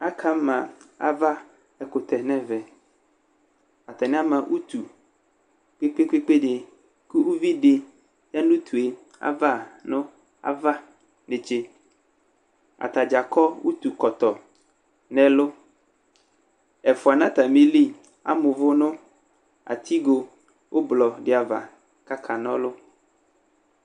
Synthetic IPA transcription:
a˦kʰa˦mã˨a̰˨va˦ | ɛ˨kʊ˨t̪ɛ˨nɛ̃˦vɛ˨ | a˨t̪a˨nɪ̃˦a˦mã˨ʔu˦t̪u˨ | k͡pe˦k͡pe˦k͡pe˦k͡pe˦ɖɪ˨ | ku˦u˦vi˦ɖɪ˦ | ja˦nũ˦t̪ʰu˨e˨ | a̰˦va˦˨nʊ̃˦ | a̰˨va˦ | nɪ˨t͡ʃe˦ | a̰˨t̪a˨d͡ʒa˨kɔ˦wu˦t̪u˨kɔ˨t̪ɔ˨ | nɛ̃˨lʊ˦ | ɛ˨fʊ˨a˨nã˦t̪a˨mi˦li˦ | a̰˨mʊ̃˨vʊ˦nʊ̃˦ | a̰˨t̪ʰi˦ɡo˦ | wʔo˦blɔ˨ɖɪ˦a˨va̰˨ | ka˦kʰa˨nɔ̰̃˦lʊ˦

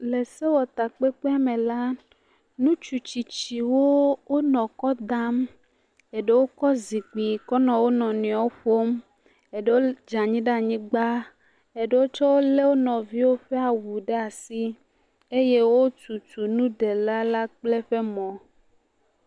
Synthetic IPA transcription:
le˨se˦wɔ˨t̪a˨k͡pe˦k͡pe˦a˦mẽ˨la˦ | nũ˦t͡ʃu˨t͡ɕi˨t͡ɕi˨wo˦wo˦nɔ̃˨kɔ˦d̪a˦m | e˨ɖe˦wo˦kɔ˦zi˨k͡pi˨kɔ˦nɔ̃˨wo˦nɔ̃˨nĩ˨ɔ̃˦ɸo˦m | e˨ɖe˦wo˦d͡ʒa˨ɲĩ˦ɖa˦˨ɲĩ˦ɡ͡ba˦ | e˨ɖe˦wo˦t͡ʃɔ˦wo˦le˦wo˦nɔ̃˨vi˦wo˦ɸe˦a˨wu˨ɖe˦a˨si˦ | e˦je˦wo˦tu˨tu˨nũ˦ɖe˨la˦la˦k͡ple˦ɸe˦mɔ̃˨

